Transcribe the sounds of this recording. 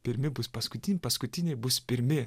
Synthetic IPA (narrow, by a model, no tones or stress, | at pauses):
pʲɪɾʲmʲɪbʊspɐskʊt̪ʲɪnʲpɐskʊt̪ʲɪnʲebʊspʲɪɾʲmʲɪ